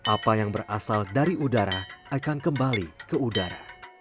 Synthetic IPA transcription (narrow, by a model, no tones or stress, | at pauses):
ʔapajaŋbərʔasaldaɾiudaɾaʔakankəmbalikəudaɾa̰